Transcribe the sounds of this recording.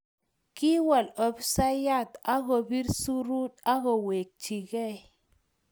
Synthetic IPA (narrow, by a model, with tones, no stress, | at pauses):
ki˦wa˨lɔ˨psa˦ja˦˨t̪a˦ɣɔ˨bi˦ɾsu˦ɾu˦t̪a˦ɣɔ˨we˨k̚t͡ʃi˨ɡɛ˦˨